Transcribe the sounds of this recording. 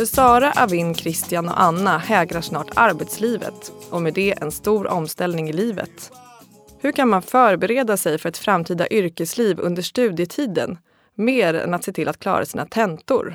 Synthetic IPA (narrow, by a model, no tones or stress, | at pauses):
fœsɑːɾaʔavɪnːkʰɾɪst̪ɪjanɔ̰ʔanːahɛːɡɾaʂnɑːʈa̰ɾbɛt̪sliːvə̰t̪ʔɔmɛd̪ɛʔɛ̰nst̪uːɾɔmst̪ɛlnɪŋɪliːvə̰t̪ | hɵɾkʰanmanfœːɾbɛɾeːd̪asɛjfœɾɛt̪fɾamt̪ʰiːd̪a̰ʔʏɾkəsliːvɵ̰nd̪əʂʈʉ̟ːd̪jət̪ʰiːd̪ə̰n | meːɾɛ̰nat̪seːt̪ʰɪlʔat̪̚kʰlɑ̰ːɾʔa̰siːnat̪ʰɛnt̪ʊ̰ɾ